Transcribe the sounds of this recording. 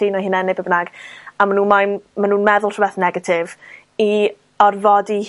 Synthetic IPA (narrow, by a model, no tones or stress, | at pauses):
inɔhɨːnɛnɪbəbnaɡamanuːnmajnmanuːnmɛðʊlˠrʰɔbɛθnɛɡatʰɪv | i | ɔrvɔdih